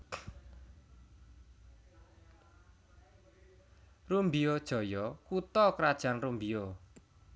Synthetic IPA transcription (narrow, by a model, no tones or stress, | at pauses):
rumbiod̥ʒ̥ɔ̤jɔkut̪ɔkɾad̥ʒ̥a̤nrumbio